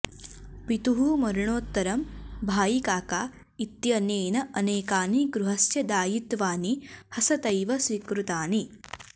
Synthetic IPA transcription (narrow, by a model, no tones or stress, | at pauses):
pit̪uɦumɐɾɐɳoːt̪ːɐɾɐmbʱaːjikaːkaː | it̪jɐneːnɐʔɐneːkaːniɡɾuɦɐsjɐd̪aːjit̪ʋaːnihɐsɐt̪ɐjʋɐsʋikɾut̪aːni